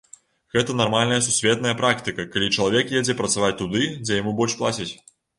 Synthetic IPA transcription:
ɣɛt̪ɐnarmalʲnɐjɐsusʲvʲɛt̪̚nɐjɐpɾakt̪ɨkɐkalʲit͡ʂɐlˠavʲɛkjɛd͡zʲɛpɾɐt̪savat͡sʲt̪ud̪ɨd͡zʲɛjamubɔlʲʂplˠat͡sʲit͡sʲ

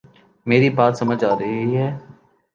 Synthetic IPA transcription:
meːɾibaːt̪sɐməd͡ʒaːɾɐɦiɦɛː

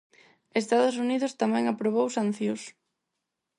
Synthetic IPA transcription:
est̪aðʊs̬uniðʊst̪amɛ̃ŋapɾoβ̞owsan̟θjus

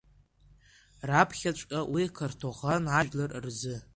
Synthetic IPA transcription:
rapʰχʲat͡ʃʷʼkʼawikʰartʰoʁanaʒᶣlarrzɨ

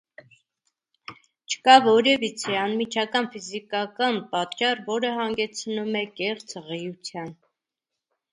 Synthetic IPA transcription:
t͡ʃʰə̥kɑvɔɾɛvit͡sʰɛɑnmit͡ʃʰɑkɑnfizikɑkɑnpɑt̪t͡ʃɑrvɔɾəɦɑŋɡɛt͡sʰnumɛkɛχt͡sʰʁɛjut͡sʰjɑn

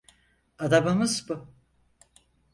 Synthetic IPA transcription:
ad̪abamɯzbʊ

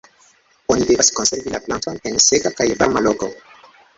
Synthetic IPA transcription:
onidevaskonseɾvilaplantonensetakajba̰ɾmaloko

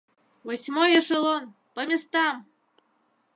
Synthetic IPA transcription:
vosʲmojəʃəlon | pəmʲest̪ɑm

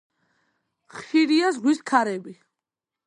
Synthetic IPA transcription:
χʃiɾiazʁwiskʰaɾɛbi

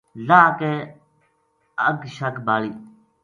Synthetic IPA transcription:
laːke | əɡʃɐkbaːliː

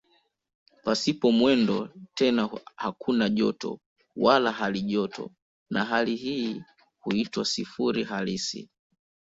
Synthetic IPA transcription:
pasipɔmwɛndɔtɛnahakʰunaʄɔtɔ̰ | walaɦaliʄɔtɔ̰ | naɦaliɦiː | huitwasifuɾiɦalisḭ

